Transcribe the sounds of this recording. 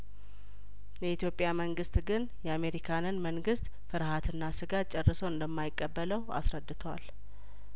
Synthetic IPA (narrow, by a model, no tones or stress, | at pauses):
jɛit̪ʰjo̞pʼjaməŋɡɨst̪ɡɨn | jɛame̞ɾikʰanɨnməŋɡɨst̪ | fɨɾhat̪ʰɨnːasɨɡat̪̚t͡ʃʼɛrːəsəwɨnd̪əmːajɪkʼːəbːələwa̰sɾəd̪ːɨt̪ʰəwal